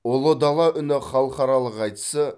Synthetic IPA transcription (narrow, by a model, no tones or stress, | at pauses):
olˠod̪ɑlˠɑʔʏnɪχɑlˠəχɑɾɑlˠəqɑjt̪ə̥sə